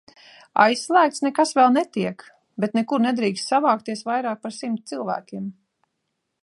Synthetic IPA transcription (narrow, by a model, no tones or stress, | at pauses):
a̰jsːlˠæːkt̪snɛkasvɛlˠnɛt̪iɛk | bɛt̪nɛkuɾnɛd̪ɾiːkst̪savaːkt̪iɛsvajɾaːk̚paɾsimt̪t̪ilˠvæ̰ːkʲim